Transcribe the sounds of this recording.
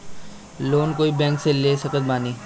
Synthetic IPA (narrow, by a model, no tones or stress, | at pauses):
loːnkoːibɛ̃ːŋkseleːsɐkət̪̚baːniː